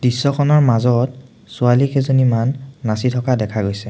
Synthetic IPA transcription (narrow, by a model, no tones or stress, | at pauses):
d̥isːɔkʰɔnɔɹmazɔt̚ | sʊalikɛzɔnimanːasitʰɔkadɛkʰaɡojsɛ